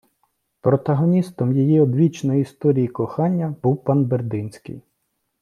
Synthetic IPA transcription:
pɾɔt̪ɐɦɔnʲist̪ɔmjijiɔd̪ʋʲit͡ʃnɔjiist̪ɔɾʲijikɔxɑnʲːɐb̥uwpɑnberd̪ɪnʲsʲkɪ̰j

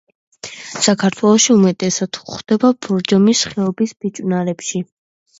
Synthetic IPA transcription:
sakʰaɾt̪ʰwɛlˠɔʃiumɛt̪ʼɛsad̪̥χd̪̥ɛbabɔɾd͡ʒɔmisχɛɔbisb̥it͡ʃʼnaɾɛpʃi

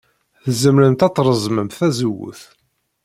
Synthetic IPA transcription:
θzəmɾənt̪ɑt̪ˤːɾˤəzˤməmθæzəwːʊ̰θ

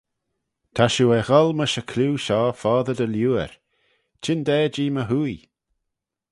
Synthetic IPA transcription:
t̪ʰaʃuɛɣɔlməʃəkʰluːʃɔːfɔːðəd̪əljuːə̰ɹ | t͡ʃʰɪnd̪ɛːd͡ʒiːməɦuːj

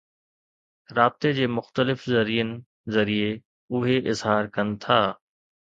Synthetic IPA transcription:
ɾaːb̚t̪ed͡ʑeːmʊxt̪əlɪfzɐɾijənɪ̆ | zɐɾie | ʊɦeʔɪzɦaːɾkɐnɪ̆t̪ʰaː

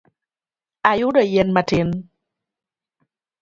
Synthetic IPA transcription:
ajʊdɔjɛnmatɪn

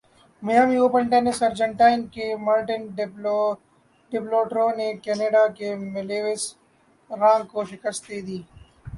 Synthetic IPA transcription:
mɐjaːmioːpəɳʈeːnesɐɾd͡ʒəɳʈaːɪnkemaːɾʈən | ɖɪploːʈɾõːnekeːneːɖaːkemɪleːʋes | ɾãːŋɡkoʃɪkəst̪̚d̪eːd̪iː

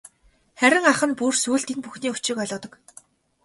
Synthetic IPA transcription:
χæɾʲɪ̆ŋaχə̆npursuːɮt̪iŋpuxniːʊt͡ɕɪ̆kœɮʲʊːt̪ə̆k

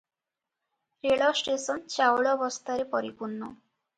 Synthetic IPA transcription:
ɾeɭɔsʈesɔnt͡ʃawɭɔbɔst̪ʰaɾepɔɾipunːɔ

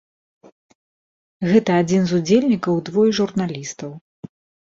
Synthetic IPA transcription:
ɣɛt̪ɐaːd͡zʲinzud͡zʲelʲnʲikɐwd̪vɔjʐurnalʲist̪ɐw

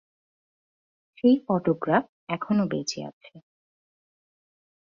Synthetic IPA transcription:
ʃejfɔʈoɡɾaf | ɛkʰonobḛt͡ɕʰea̰t͡ɕʰe

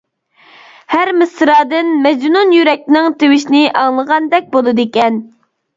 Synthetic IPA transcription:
hæɾmɨsɨɾɑːd̪ɨnmɛd͡ʒnunjyɾɛk̚ʲnɪŋt̪ewɪʃinɪʔɑŋlˠəʁɑnd̪ɛk̚ʲbolˠɨd̪ekʲɛn

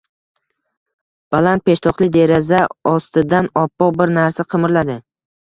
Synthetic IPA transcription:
b̥alant̪̚pʰe̞ʃt̪ʰɒqlˠɪd̪e̞ɾazaɒst̪ɪd̪anɒpːɒq̚bɪɾnaɾsaqʰɨmɪɾlad̪ɪ

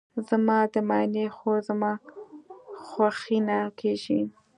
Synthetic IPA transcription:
zamɑd̪əmɑjnexozamɑ | xwaxinakʰeʒi

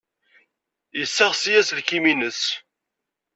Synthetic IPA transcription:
jəsːæʁsjæsəlkiminəs

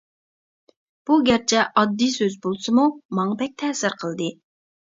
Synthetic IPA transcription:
b̥uɡʲæɾt͡ʃʰɛʔɑd̪ːijsøzbolˠsɨmumɑŋɑbɛk̚ʲt̪ʰɛːsɪɾqʰəlˠd̪ɨ

